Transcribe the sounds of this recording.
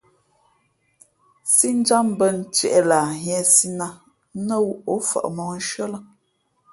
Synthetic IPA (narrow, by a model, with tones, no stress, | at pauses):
si˦n̩˦d͡ʒa˦m˦bə˦n̩˨t͡ʃɥɛ̰˨ʔɛ˨la˨ɦɛ˨si˦na˦ | nə˦wu˦o˨˦fa̰˨ʔmɔ˨n̩˦ʃɥə˦lə˦